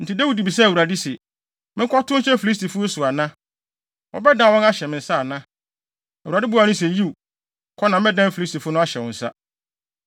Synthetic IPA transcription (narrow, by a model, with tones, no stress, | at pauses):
n̩˨tʰɪ˨dæ˦wu˨di˨bi˨sa˦˨wu˨ɾa˨dɪ˦sɛ˨ | mɪ̃˦ŋkʰɔ˦tʊ̃˦ɕɛ˦fi˨li˦s̬tʰi˨fʊ˦sʊ˨a˨nã˦ | wɔ̰˦bɛ˦dã˦˨wɔ̃˦na˦ɕɛ˨mɪ̃˨n̩˨sa˦a˨nã˦˨ | wu˨ɾa˨dɪ˦bu˦a˨ñʊ̃˦s̬ɛ˨ji˦u˨ | kʰɔ˦nã˨m˦ɛ̃˦dã˦m˦fi˨li˦stʰi˨fʊ˦nʊ̃˦a˦ɕɛ˨wɔ̃˨n̩˨sa̰˦